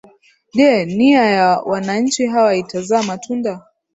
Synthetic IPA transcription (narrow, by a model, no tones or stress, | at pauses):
ʄɛniajawanaɲ̩t͡ʃiɦawaitazamatʰunda